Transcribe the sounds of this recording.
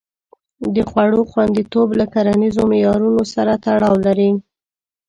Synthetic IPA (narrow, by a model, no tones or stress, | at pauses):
d̪əxwaɽoxwand̪it̪oblakaɾanizomɪjɑɾunosaɾat̪aɽɑwlaɾi